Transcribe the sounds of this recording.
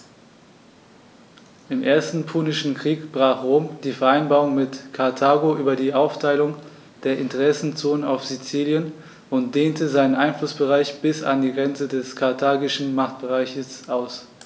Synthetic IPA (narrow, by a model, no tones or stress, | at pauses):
ʔɪmʔeːɐstn̩pʰuːnɪʃn̩kʁ̥iːkb̥ʁaːχʁoːmd̥iːfɛɐʔaɪnbaːʁʊŋmɪtkʰaɐtʰaːɡoʔyːbɐdiːʔaʊftʰaɪlʊŋ | d̥eːɐʔɪntəʁɛsn̩t͡soːnənaʊfz̥it͡siːljən | ʔʊntd̥eːntəzaɪnənʔaɪnflʊsb̥əʁaɪçb̥ɪsa̰ndiːɡʁɛnt͡sədɛskʰaɐtʰaːɡɪʃn̩maχt̚b̥əʁaɪçəsʔaʊs